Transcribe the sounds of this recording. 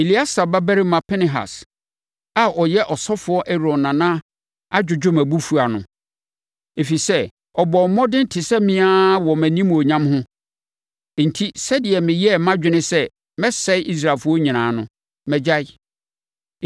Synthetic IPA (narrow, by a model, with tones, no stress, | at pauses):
e˨li˦a˦sa˨ba˦bæ˦ɾi˦mã˨pʰɛ˦nɪ˨ɦa̰˨s | a˨ʔɔ˨jɛ˦ʔɔ˨sɔ˦fʊ˨˦ɔ˦ʔɛ˦ɾɔ̃˨nːã˨nã˦ | a˦d͡ʑᶣʊ˨d͡ʑᶣʊ˦mæ̃˨bu˦fu˨a˨nʊ̰̃˨ | e˨fi˨sɛ˦ | ɔ˨bɔ˨m̩˨˦mɔ̃˦dɪ˦n̩˦tʰɪ˨sɛ˦mĩ˦a˦wɔ˨mæ̃˨nĩ˦m̃˨o˨ɲã˦mhʊ̃˦ | n̩˨tʰi˦sɛ˦dɪ˨ɛ˨mɪ̃˨jɛ˦˨mã˦d͡ʑᶣɪ˨nɪ̃˦sɛ˦ | mɛ̃˦sɛ˦ɪ˦ʔi˦s̬ɾa˨fʊ˦ɔ˦ɲĩ˨nãː˨nʊ̃˦ | mɛ̃˨d͡ʑa˦ɪ˦